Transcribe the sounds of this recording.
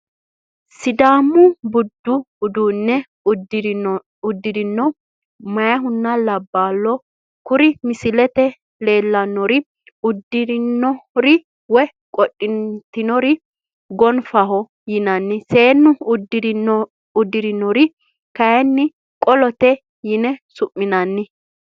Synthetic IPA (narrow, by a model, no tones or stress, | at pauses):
sɪd̪aːmːʊbʊd̪ːʊː | d̪uːnːɛ | d | ʊd̪ːɪdɪnːɔ | mɐjɐɦʊnːɐlɐbːaːlːɔ | kʊɾɪmɪsɪlɛt̪ɛ | le̞ːlːɐnːɔɾɪ | ʊd̪ːɪɾnːɔɾɪ | wɛ | kʼɔɗʼɪnt̪ɪnɔɾɪ | ɡɔnfɐɦɔ | jɪnɐnːɪse̞ːnːʊʊd̪ɪɾ | ʊd̪ːɪɾɪnːɔɾɪ | kɐjɛnːɪ | kʼɔlɔt̪ɛ | jɪnɛsʊʔːɪnɐnːɪ